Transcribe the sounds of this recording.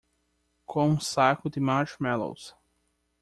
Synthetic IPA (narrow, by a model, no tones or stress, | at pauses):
kʰõũsakʊd̪ɪmaɾt͡ʃmɛlo̰ws